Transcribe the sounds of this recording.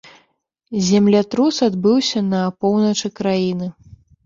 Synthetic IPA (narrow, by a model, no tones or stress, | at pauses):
zʲamlʲat̪ɾusad̪bɨwsʲɐnɐpɔwnɐt͡ʂɨkɾajinɨ